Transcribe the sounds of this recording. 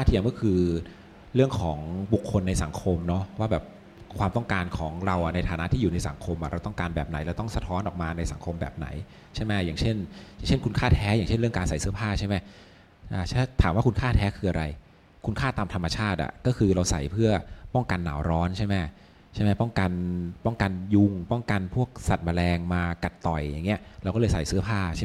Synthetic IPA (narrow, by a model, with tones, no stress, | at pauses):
a˥˩t̪ʰi˧˩əmkɔː˥˩kʰɯː˧ | ɾɯ˥˩əŋkʰɔː˩˦ŋbu˨˩kʰːo˧nːa˧jsa˩˦ŋkʰo˧mnɔ˦˥waː˥˩bɛː˨˩p̚ | kʰwaː˧mt̪ɔ˥˩ŋkaː˧nkʰɔː˩˦ŋɾa˧wʔa˨˩na˧jt̪ʰaː˨˦na˦˥t̪ʰiː˥juː˨˩na˧jsa˩˦ŋkʰo˧mʔa˨˩ɾʔa˧wt̪ɔ˥˩ŋkaː˧nbɛː˨˩p̚na̰˨˩˦jlɛː˧˥wt̪ɔ˥˩ŋsa˧t̪ʰɔː˦˥nʔɔː˨˩k̚maː˧na˧jsa˩˦ŋkʰo˧mbɛ̰ː˨˩p̚na̰˩˦j | t͡ɕʰa˥˩jmɛ˦˥˩jaː˨˩ŋt͡ɕʰe˥˩njaː˨˩ŋt͡ɕʰe˥˩nkʰu˧nkʰaː˥˩t̪ʰɛː˦˥jaː˨˩ŋt͡ɕʰe˥˩nɾɯ˥˩əŋkaː˧nsa˨˩˦jsɯ˦˥ɐpʰaː˥˩t͡ɕʰa˥˩jma˦˥˩ | ʔaː˧˩t͡ɕʰt̪ʰaː˩˦mwaː˥˩ku˧nkʰaː˥˩t̪ʰɛː˦˥kʰɯː˧ʔa˧ɾa˧j | kʰu˧nkʰaː˥˩t̪aː˧mt̪ʰa˧mːa˧t͡ɕʰaː˥˩t̪̚ʔa̰˨˩kɔː˥˩kʰɯː˧ɾa˧wsa̰˨˩˦jpʰɯ˥˩ɐpɔ˥˩ŋka˧nːa̰ː˩˦wɾɔː˦˥nt͡ɕʰa˥˩jmɛ˦˥˩ | t͡ɕʰa˥˩jma˦˥˩pɔ˥˩ŋka˧npɔ˥˩ŋka˧nju˧ŋpɔ˥˩ŋka˧npʰu˥˩ək̚sa˨˩t̪̚ma˧lɛː˧ŋmaː˧ka˨˩t̪ːɔ˨˩jːa˨˩ŋːi˦˥ɐɾa˧wkɔː˥˩lɤː˧jsa˨˩˦jsɯ˦˥ɐpʰaː˥˩a˥˩